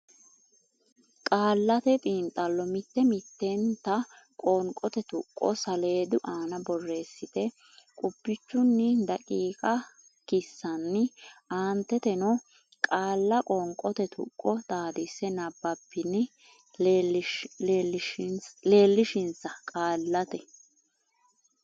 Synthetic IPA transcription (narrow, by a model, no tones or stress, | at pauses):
kʼaːlːɐt̪ɛt̪ʼiːnt̪ʼɐlːɔmɪt̪ːɛmɪt̪ːɛnt̪ːɐ | kʼɔŋkʼɔt̪ɛt̪ʊkʼːɔ̰sɐleːd̪ʊʔaːnɐbɔrːe̞ːsːɪt̪ɛ | kʼʊb̥ːɪt͡ʃːʊnːɪd̪ɐkʼiːkʼɐ | kɪsːɐnːɪaːnt̪ːɛt̪ɛnɔ | kʼaːlːɐkʼɔŋkʼɔt̪ɛt̪ʰʊ̰kʼːɔt̪aːd̪ɪsɛnɐbːɐpːɪnɪ | le̞ːlːɪʃɪnsɐkʼaːlːɐt̪ɛ